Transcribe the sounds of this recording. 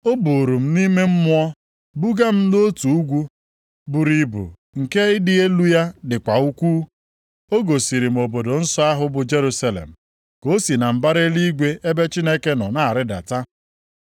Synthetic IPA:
o˦bu˨ɾu˨m̩˦ni˦me˦m̩˦mʊ˦ɔ˦ | bu˦ɡa˦m̩˦no˦tu˨u˦ɡʷu˦ | bu˨ɾi˨bṵ˨ | ŋ̩˨ke˦ɪ˦dɪ˦e˦lu˦ja˦dɪ˨kʷa˨u˦kʷuː˦ | o˦ɡo˨si˨ɾi˨m̩˨o˨bo˨do˨n̩˦sɔ˦a˦ɦʊ˦bʊ˨d͡ʒe˦ɾu˦sa˦lḛ˨m̩˨ | ko˦si˨na˨m̩˨ba˦ɾe˦li˦ɡʷe˦ʔe˦be˦t͡ʃi˦ne˦ke˦nɔ̰˨na˨ɾɪ˦da̰˨ta˦

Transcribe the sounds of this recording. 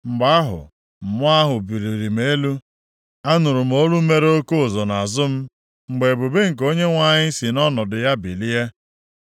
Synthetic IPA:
ŋ͡m̩˨ɡ͡ba˦a˦ɦʊ̰˨ | m̩˨mʊ˦a˦ɦʊ˨bi˨ɾi˨ɾi˨m˦e˦lu˦ | a˦nʊ˨ɾʊ˨m̩˦o˦ɾu˦me˦ɾo˦ko˦˨zɔ˨na˨zʊ˦m̩˦ | ŋ͡m̩˨ɡ͡be˨bu˨be˦ŋ̩˨k̬o˦ɲe˦ŋʷa˨ɲɪ˦si˨nɔ˦nɔ˨dʊ˨ja˦bi˨li˦e˦

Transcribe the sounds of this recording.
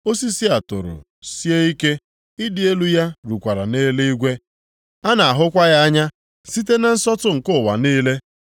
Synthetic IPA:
o˦si˦si˦a˨tʊ̰˨ɾʊ̰˨ | si˦e˦i˦ke˦ | i˦dɪ˨e˦lu˦ja˦ɾu˨kʷa˨ɾa̰˨neː˦le˦i˦ɡʷe˦ | a˦na˨a˨ɦʊ˦kʷa˦ɣa˦a˦ɲa˦ | si˦t̬e˦na˨n̩˦sɔ˦tʊ˦ŋ̩˨kʊ˦˨wa˨niː˦le˦

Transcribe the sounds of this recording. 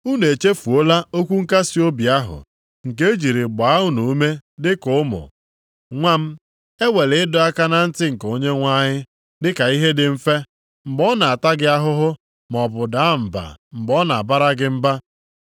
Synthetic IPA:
u˦ne˨t͡ʃe˦fu˨o˦la˦o˦kʷu˦ŋ̩˦ka˦si˦o˦bi˨a˦ɦʊ̰˨ | ŋ̩˨ke˦d͡ʒi˨ɾi˨ɡ͡ba˨a˦ʊ˦nu˨u˦me˦dɪ˦kʊ˦ʊ˦mʊ̰˨ | ŋʷa˦m̩˦ | e˦wʷe˨lɪ˨˦ɪ˦dʊ˦a˦ka˦na˨n̩˦tɪ˦ŋ̩˨ko˦ɲe˦ŋʷa˦ɲɪ˦ | dɪ˦ka˨i˦ɦe˦dɪ˨m̩˦fe˦ | m̩˨ɡ͡bɔ˦na˨a˨ta˦ɡɪ˦a˦ɦʊ˦ɦʊ˦ | m˨ɔ˨bʊ˨da˦m̩˨ba̰˨m̩˨ɡ͡bɔ˦na˨a˨ba˦ɾa˦ɡɪ˦m̩˦ba˦

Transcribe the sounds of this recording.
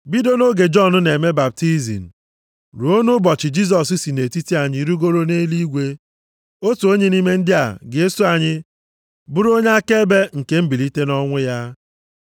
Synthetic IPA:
bi˦do˦no˦ɡe˨d͡ʒɔ˦˨nʊ˦ne˨me˦ba˨b̚ti˦zḭ˨n̩˨ | ɾu˨o˦nu˦bɔ˨t͡ʃɪ˨d͡ʒi˦s̬ɔ˨s̬i˦si˨ne˨ti˦ti˦a˨ɲɪ˦ɾu˦ɡo˦ɾo˦ne˦li˦ɡʷe˦ | o˦tu˨o˦ɲe˦ni˦me˦n̩˦dɪ˦a̰˨ɡɪ˨e˦su˦a˨ɲɪ˦ | bʊ˦ɾo˦ɲe˦a˦ke˦be˦ŋ̩˨ke˦m̩˦bi˨li˦te˦nɔ˦ŋʷʊ˦ja˦

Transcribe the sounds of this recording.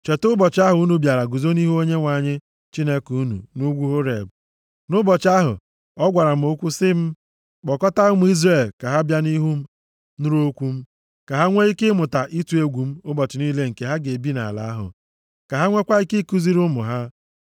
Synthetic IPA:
t͡ʃe˨tʊ˦bɔ˨t͡ʃɪ˨˦a˦ɦʊ˨u˦nu˨bja˨ɾa˨ɡu˨zo˦ni˦ɦu˦o˦ɲe˦ŋʷa˨ɲɪ˦ | t͡ʃi˦ne˦kuu˦nṵ˨nu˦ɡʷu˦ɦʊ˦ɾḛ˨b | nʊ˦bɔ˨t͡ʃa˦ɦʊ̰˨ | ɔ˦ɡʷa˨ɾa˨m̩˦o˦kʷu˦sɪ˦m̩˦ | k͡pɔ˨kɔ˦ta˦ʊ˦mʊ˦i˦zre˨lka˨ɦa˦bja˦ni˦ɦu˦m̩˦ | nʊ˦ɾo˦kʷu˦m̩˦ | ka˨ɦa˦ŋʷe˦i˦kɪ˦mʊ˨ta˨ʔi˦tu˨e˦ɡʷu˨m̩˦ʊ˦bɔ˨t͡ʃɪ˨ni˦le˦ŋ̩˨ke˨ɦa˦ɡe˨bi˦na̰˨la̰˨a˦ɦʊ̰˨ | ka˨ɦa˦ŋʷe˦kʷa˦i˦ke˦ku˨zi˦ɾʊ˦mʊ̰˨ɦa˦

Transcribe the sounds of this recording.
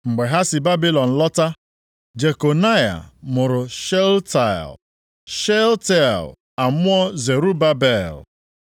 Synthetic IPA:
ŋ͡m̩˨ɡ͡be˨ɦa˦sɪ˨ba˦bi˦lɔ˨n̩˨lɔ˦ta˦ | d͡ʒe˨ko˨na˦ja̰˨mʊ˨ɾʊ˨ʃɛ˦lta̰˨l | ʃɛ˦ltɛ˦˨l | a˨mʊ˦ɔ˦ze˨ɾu˦ba˦bɛ˦˨l

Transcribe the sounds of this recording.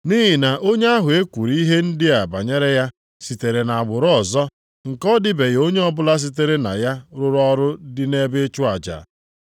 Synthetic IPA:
ni˦ɦi˨na˨ʔo˦ɲe˦a˦ɦʊ˨e˦kʷu˨ɾi˦ɦe˦n̩˦dɪ˦a˨ba˨ɲe˦ɾe˦ja˦ | si˨te˨ɾe˨na˨a˨ɡ͡bʊ˨ɾʊ˦ɔ˨zɔ˦ | ŋ̩˨kɔ˦dɪ˦be˨ɣo˦ɲe˦ɔ˦bʊ˦la˦s̬i˦t̬e˦ɾe˦na̰˨ja˦ɾʊ˦ɾɔ˦ɾʊ˦dɪ˦ne˦be˦t͡ʃʊ˦a˨d͡ʒa̰˨

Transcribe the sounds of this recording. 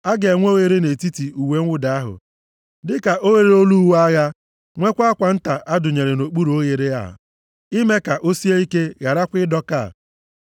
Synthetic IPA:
a˦ɡe˨ŋʷo˦ɣe˦ɾe˦ne˨ti˦ti˨u˨we˨ŋ̩˦ʊ˦da˨a˦ɦʊ̰˨ | dɪ˦ka˨ʔo˦ɣe˨ɾe˨˦o˦lu˦wa˦ɣa˦ | ŋʷe˦kʷa˦a˦kʷa˨n̩˦ta˨ʔa˦dʊ˨ɲe˨ɾe˨no˨k͡pu˦ɾo˦ɣe˨ɾe˦a̰˨ | i˦me˦ka˨ʔo˦si˦e˦i˦ke˦ɣa˨ɾa˦kʷɪ˦dɔ˦ka̰˦˨

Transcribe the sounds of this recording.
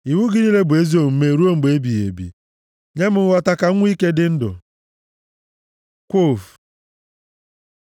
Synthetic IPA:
i˨wu˦ɡɪ˦ni˦le˦bʊ˨e˦zi˦o˨m̩˦me˦˨ɾu˦o˦ŋ͡m̩˨ɡ͡be˦bi˨jḛ˨bḭ˨ | ɲe˦mʊ˨˦wa˦ta˦ka˦ŋʷ˦i˦ke˦dɪ˦n̩˦dʊ̰˨ | kʷo˦˨f

